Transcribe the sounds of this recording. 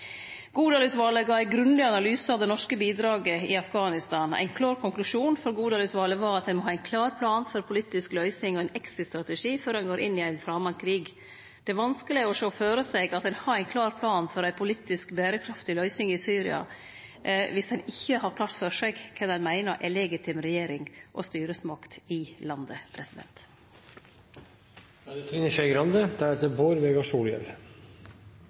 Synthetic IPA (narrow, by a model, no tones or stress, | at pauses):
ɡ̥uːd̪ɑlʉːt̪ʋɑːləɡɑːæɪɡɾʉnlɪɑnɑlyːsəɑʋd̪ɛnɔʂkəbiːd̪ɾɑːɡəɪɑfɡɑːnɪst̪ɑːnæ̰ɪnkʰlɑːɾkʰʊŋklʉʂuːnfɔɾɡuːd̪ɑːlʉːt̪ʋɑːləʋɑːɾɑt̪̚d̪ɛnmɔɦɑːæɪnkʰlɑːɾpʰlɑːnfɔɾpʰʊliːt̪ɪsklœʏsɪŋɔæɪnɛksɪst̪ɾɑt̪əʂiːføːɾɛnɡoːɾʔɪnːɪæɪnfɾɑːmɑnkʰɾiːɡ | d̪̥ɛʋɑnskəlɪæːɾɔʂoːføːɾəsɛɡɑt̪̚d̪ɛnhɑːæɪnkʰlɑːɾpʰlɑːnfɔɾæɪpʰʊliːt̪ːɪskbæːɾəkʰɾɑft̪ɪlœʏsɪŋɪsyːɾɪ̰ɑ̰ | ʋɪsd̪ɛnɪçːəhɑɾkʰlɑːɾt̪fœʂɛɡkʰɛnɛnmæɪnɑʔɛlɛɡɪt̪ʰɪmɾɛjeːɾɪŋʔɔ̰st̪yːɾəsmɑkt̪ɪlɑnd̪əpʰɾɛsɪd̪ɛ̰nt̪ | t̪ʰiːnəʃɛɪɡɾɑnd̪əd̪̥æɾɛt̪ːəboːɾʋɛɡɑʂuːljɛ̰l